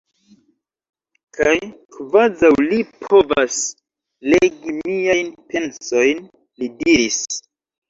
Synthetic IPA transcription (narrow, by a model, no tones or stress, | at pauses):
kʰajkvazawlipʰo̞vas | leɡimijajnpe̞nso̞jn | lidiɾis